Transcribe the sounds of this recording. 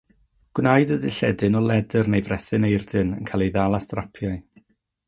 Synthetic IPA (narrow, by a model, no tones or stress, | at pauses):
ɡ̥wnajdədɪɬɛdɨnɔlˠɛdɨrnejvrɛθɨnejrdɨnə̰nkʰaːlˠejðalˠastrapʰjaɨ